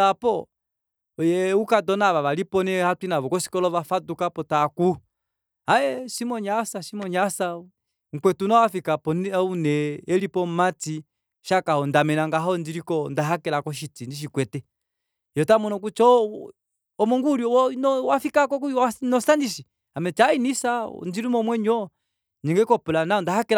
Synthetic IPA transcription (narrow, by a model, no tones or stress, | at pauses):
apɔ | jɛukadɔnaβaʋalipɔnɛhatinaβɔkɔsi̥kɔlɔvafadukapɔtaku | aɛsimɔɲasaʃimɔɲasa | ŋ̩kwɛtunawafikapɔnunɛːlipɔmati | ʃakahɔndamɛnaŋɡaɦɔndiɾikɔndaɦakɛlakɔʃ̬itindiʃ̬ikwɛtɛ | jɔtamɔnɔk̬ut͡ʃɔ | ɔmɔŋɡuɾjɔwnɔwafikakɔkuanɔsandiʃi | amɛt͡ʃainisaɔ̰ndiɾumɔmwɛɲɔ | ɲiŋɡɛkɔpulanaɔndahakɛl